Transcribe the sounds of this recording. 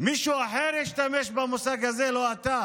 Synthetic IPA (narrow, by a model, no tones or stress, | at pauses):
miʃɔaɦɛɾɛʃtamɛʃbamusaɡazɛlɔata